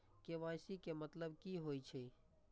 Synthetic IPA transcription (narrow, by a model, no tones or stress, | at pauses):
keʋaːjsikemət̪ləb̚kiɦoːit͡ʃʰe